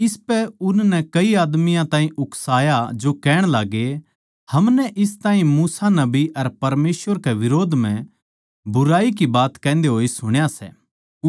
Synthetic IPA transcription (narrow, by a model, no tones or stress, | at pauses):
ɪspɛʊnnɛkɐiaːd̪mijãt̪ãːĩʔʊksaːjad͡ʒokɛːɽ̃laːɡe | hɐmnɛʔɪst̪ãːɦĩmuːsanɐbiʔɐɾpɐɾmeːsʋəɾkeʋɪɾoːd̪ʱmɛ̃ | bʊɾaːik̬ibaːt̪kɛ̃ːnd̪eɦoːisʊɽ̃jasɛ̰ː